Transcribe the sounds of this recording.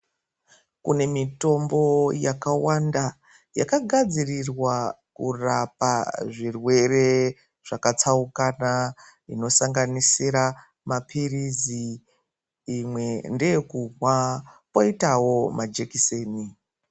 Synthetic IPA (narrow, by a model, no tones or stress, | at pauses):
kune̞mito̞mbo̞jakawanda | ja̰kaɡʱad͡zirirwakurapaʐirwe̞re̞ | ʐ̥akat͡saukana | ino̞saŋɡanisiɾa | mapʰiriziː | mwe̞ndejekumwapoitawo̞mad͡ʒekiseːni